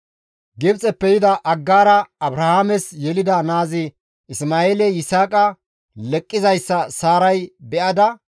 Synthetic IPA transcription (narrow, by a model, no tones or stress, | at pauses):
ɡɪbt͡sʼɛpːɛjɪd̪ɐʔɐɡːaːɾɐɐbɾɐhaːmɛsjɛlɪd̪ɐnaːzɪ | ɪsmaːeːlɛjɪsaːkʼɐ | lɛkʼːɪzɐjsːɐsaːɾɐjbɛʔɐd̪ɐ